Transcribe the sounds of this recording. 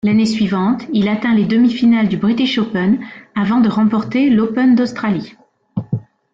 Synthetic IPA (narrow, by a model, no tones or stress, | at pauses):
lanesɥivɑ̃t̪ilat̪ɛ̃led̪əmifinald̪ybʁit̪iʃopœnavɑ̃d̪əʁɑ̃pɔʁt̪elopœnd̪ost̪χali